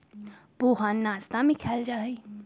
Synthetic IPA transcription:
boːɦaːnːaːst̪amẽkʰɛːld͡ʒaːɦei

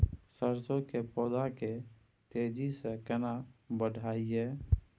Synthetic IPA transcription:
səɾsõkepɔːd̪ake | t̪eːd͡ʒisekənabəɖʱaːiɦɛː

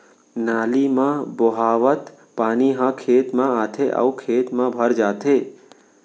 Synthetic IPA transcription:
naːlimãboɦaːʋət̪ | paːniɦãkʰeːt̪mãaːt̪ʰeʔə̰ukʰeːt̪mãbʱəɾd͡ʒaːt̪ʰe

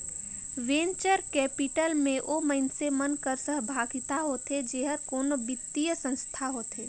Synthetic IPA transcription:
ʋẽːnt͡ʃəɾkɛːpɪʈəlmẽʔoːməɪnsemənkəɾsəɦbʱaːɡɪt̪aɦot̪ʰed͡ʒeːɦəɾkoːnobɪt̪ːijəsə̃nst̪ʰaɦoːt̪eː

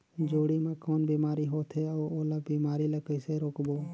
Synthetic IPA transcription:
d͡ʒoːɽiːmãːkoːnbiːmaːɾiːɦoːt̪ʰeːəːoːlaːbiːmaːɾiːlaːkəseɾoːkboː

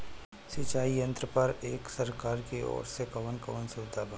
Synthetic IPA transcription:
sit͡ʃaːijə̃nt̪ɾəpəɾeːksɐɾkaːɾkeɔ̰ːɾsekɐʋənkɐʋənsʊbɪd̪ʱabʱa

